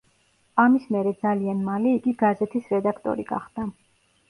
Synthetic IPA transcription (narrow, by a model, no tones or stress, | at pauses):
amismɛɾɛd̪zalianmaliːɡiɡazɛt̪ʰisɾɛd̪akʰt̪ʼɔ̰ɾiɡa̰χd̪̥a